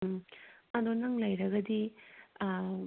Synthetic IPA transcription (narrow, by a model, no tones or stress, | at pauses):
ɐnonaŋlɐjɾɐɡɐd̪i